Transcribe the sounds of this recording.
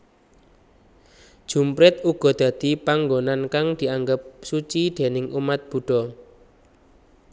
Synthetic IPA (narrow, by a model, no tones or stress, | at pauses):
d̥ʒ̥ṳmpɾɪt̪uɡ̥ɔ̤d̪̥ä̤d̪̥i̤paŋɡonankaŋd̪̥i̤aŋɡəp̚sut͡ʃid̪̥e̤nɪŋʔumat̪̚b̥ṳɖ̥ɔ̤